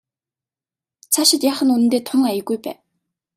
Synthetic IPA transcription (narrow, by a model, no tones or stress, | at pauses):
t͡sʰaʃɪ̆t̪jaːχə̆nunɘ̆nt̪eːt̪ʰʊŋajə̆ɣujpæ̰ːn